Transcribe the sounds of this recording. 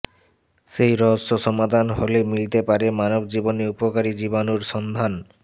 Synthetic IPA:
ʃejɾɔɦsoʃɔmad̪ʱanɦolemilt̪epaɾemanobd͡ʑiboneupokaɾid͡ʑibanuɾʃɔnd̪ʱan

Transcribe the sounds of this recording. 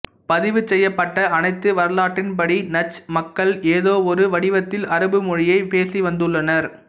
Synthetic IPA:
pɐðɪʋɯt͡ʃːɛjːɐpːɐʈːɐɐnɐɪt̪ːɯʋɐɾɐlaːʈːɪnpɐɽinɐt͡ʃːmɐkːɐɭeːðoːɔɾɯʋɐɽɪʋɐt̪ːɪlɐɾɯbɯmʊɻɪjɐɪpeːsiʋɐnd̪ɯɭːɐnɐɾ

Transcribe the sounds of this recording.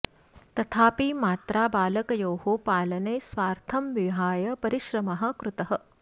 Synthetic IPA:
t̪ɐt̪ʰaːpimaːt̪ɾaːbaːlɐkɐjoːɦopaːlɐnɐːsʋaːɾt̪ʰɐmʋiɦaːjɐpɐɾiʃɾɐmɐɦɐ̆kɾut̪ɐɦɐ̆

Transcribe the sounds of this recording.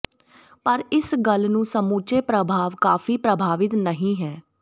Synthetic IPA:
pəɾɪsɡəlnũːsəmuːt͡ʃeːpɾəbʱaːʋkaːfʰiːpɾəbʱaːʋɪt̪nəɦĩːɦɛː

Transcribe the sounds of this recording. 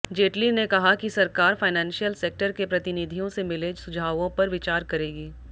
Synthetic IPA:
d͡ʒeːʈlinekɐɦakisɐɾkaːɾfaːɪnɛ̃ːnʃijəlseːk̚ʈəɾkepɾɐt̪ɪnid̪ʱijõsemɪled͡ʒsʊd͡ʒʱaːʋõpɐɾʋɪt͡ʃaːɾkɐɾeːɡiː

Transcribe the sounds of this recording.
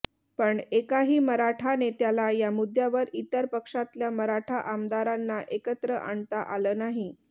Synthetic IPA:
pəɳekaɦiːməɾaʈʰanet̪jalajamud̪ʱjaʋəɾit̪əɾpəkʂat̪ljaməɾaʈʰaʔamd̪aɾanːaʔekət̪ɾəʔaɳt̪aʔaləːnaɦi

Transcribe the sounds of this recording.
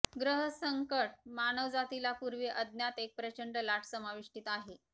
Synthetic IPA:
ɡɾəɦəsəŋkəʈ̚manəʋd͡zat̪ilapuɾʋeʔəd̪njat̪ek̚pɾət͡ɕəɳɖəlaʈʰsəmaʋiʂʈit̪aɦe

